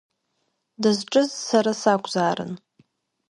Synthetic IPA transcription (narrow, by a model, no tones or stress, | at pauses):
dɨzʈ͡ʂʼɨzsaɾasakʷʼzaːɾɨ̰n